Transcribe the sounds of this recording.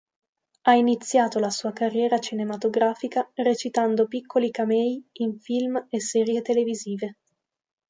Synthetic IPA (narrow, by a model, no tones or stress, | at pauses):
ainit̪sːjaːt̪olasuːakarːjɛːɾat͡ʃinemat̪oɡɾaːfikaret͡ʃit̪and̪opikʰːolikamɛjiɱfilmesːɛːɾjet̪eleviziːve